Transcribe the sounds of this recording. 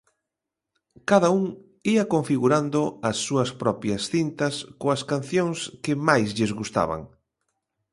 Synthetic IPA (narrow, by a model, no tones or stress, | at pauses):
kaðɐuŋ | iɐkoɱfiɣuɾand̪ʊɐsːuɐspɾɔpjɐsθint̪ɐskoɐskan̟θjoŋskɪmajzʎɪzɣust̪a̰βa̰ŋ